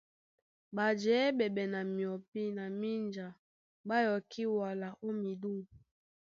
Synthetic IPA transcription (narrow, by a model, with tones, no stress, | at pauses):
ba˨d͡ʒɛ˨˦bɛ˨bɛ˨na˨mi˨ɔ˨pi˦na˨mi˦nd͡ʒa˨ | ba˦jɔ˨ki˦wa˨la˨ʔo˦mi˨du˦